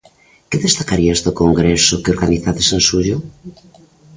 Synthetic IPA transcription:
keðest̪akaɾiazd̪okoŋɡɾesokeoɾɣaniθaðesensuʎo

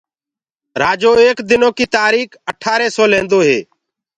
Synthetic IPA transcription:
ɾaːd͡ʒoːeːkd̪ɪnõːkiːt̪aːɾiːkəʈʰaːɾeːsɔːlẽːnd̪oːɦeː

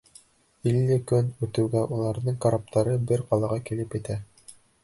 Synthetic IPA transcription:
ilːɘkɵnʉt̪ɘ̆wɡæʔulˠɑɾðɤɴkaɾap̚t̪ʰɑɾɤbɘɾqɑlˠɑʁɑkilɘpjɘ̆t̪æ

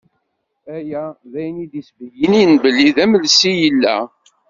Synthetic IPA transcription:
æjæðæjnid̪isvəjinijnbəlːiðæməlsijəlːæ̰

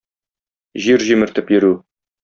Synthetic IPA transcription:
ʑiɾʑimɘ̆ɾt̪ɘpjɘ̆ɾʉ

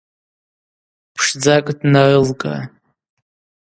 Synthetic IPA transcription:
pʰʂd͡zakʼdnarɨlkʼa̰

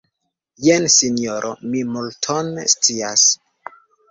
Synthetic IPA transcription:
jensinjoɾʔomimultʰonst͡sias

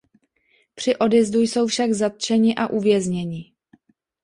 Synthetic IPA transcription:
pr̥ɪʔo̞djɛzdujso̞wfʃaɡzat̪̚t͡ʃɛɲɪʔaʔuvjɛzɲɛɲɪ

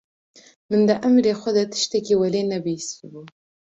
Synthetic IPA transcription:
mənd̪əʔamɾexod̪at̪ə̥ʃt̪akewalenabisibu

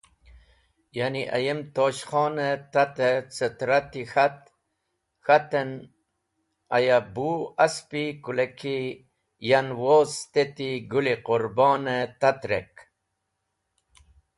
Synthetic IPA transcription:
janiʔa̰jemt̪oːɕχɑːnet̪at̪et͡sət̪ɾat̪ixat̪ | xat̪en | ajabuaspikulekʰi | janwoːst̪et̪iɡuliquɾbɑːnet̪at̪ɾek

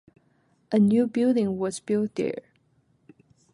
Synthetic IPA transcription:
ʔənjʉbɪlˠdɪ̃ŋwʌzbɪlˠd̚ɛ̰ɹ

